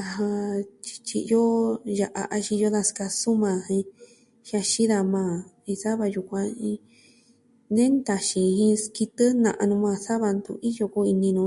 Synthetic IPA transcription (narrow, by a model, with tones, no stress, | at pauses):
a˧ɦã˧t͡ʃi̥˧t͡ʃḭ˧jo˦ja˧ʔa˧ʔa˧ʃĩ˧jo˦ða˧ska˧su˦mã˧ɦĩ˧ | ʃja˧ʃi˦ða˧mãː˧˨ | ĩ˧sa˦βa˧ju˧kʷã˧ĩ˧˦ | nẽ˦nd̪a˧ʃĩ˧hĩ˧ski˧t̪ɨ˦nã̰˧˨ʔa˧nũ˧mã˧˨sa˦βa˧nd̪ṵ˧i˦jo˧ku˦i˧nĩ˧nũ˧